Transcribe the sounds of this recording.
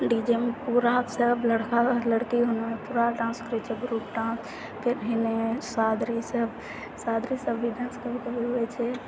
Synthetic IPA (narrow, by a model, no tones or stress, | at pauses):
ɖid͡ʒemepuɾasəbʱləɽkaləɽkiɦunmepuɾaʈɾãnskɾit͡ʃʰeɡɾupʈãs | pʰeɾɦinesad̪ɾisəb | sad̪ɾisəbːiɖənskəbk̪ebeɦuɛt͡ʃʰɛ